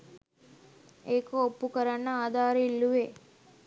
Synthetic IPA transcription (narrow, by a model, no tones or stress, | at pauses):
eːkoːpːukəɾanːəaːd̪aːɾilːuʋe